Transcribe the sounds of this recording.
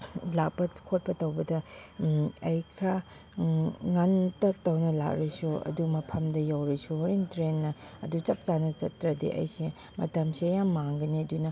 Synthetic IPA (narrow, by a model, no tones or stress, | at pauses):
lak̚pɐkʰot̚pɐtɐwbɐdɐ | ɐjkʰɾa | ŋantɐk̚tɐwnɐla̰k̚ɾisuɐ̰dumɐpʰɐmdɐjawɾisuhoɾintɾenːɐɐ̰dut͡ʃɐp̚t͡ʃanɐt͡ʃɐtːɾɐdḛʔɐ̰jse | mɐtɐmsijamːaŋɡɐniɐdunɐ